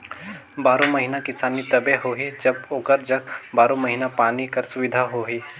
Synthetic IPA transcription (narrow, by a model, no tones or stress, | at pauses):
baːɾõmɐɦiːnakɪsaːnit̪ɐbeɦoːɦid͡ʒɐboːkəɾd͡ʒɐk̚baːɾõmɐɦiːnapaːnikɐɾsʊʋɪd̪ʱaɦoːɦiː